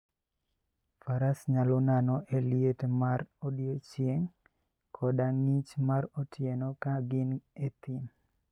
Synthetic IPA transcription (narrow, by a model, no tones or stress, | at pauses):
faɾasɲalɔnanɔʔeljetmarodiot͡ʃjeŋ | kʰɔdaŋit͡ʃmaɾotʰjenɔkaɡɪnet̪in